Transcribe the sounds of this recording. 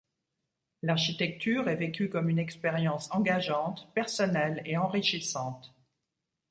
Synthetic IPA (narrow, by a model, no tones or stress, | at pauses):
laʁʃit̪ɛk̚t̪yːʁɛvekʲykɔmynɛkspeʁjɑ̃sɑ̃ɡaʒɑ̃t̪pɛʁsɔnɛleɑ̃ʁiʃisɑ̃t̪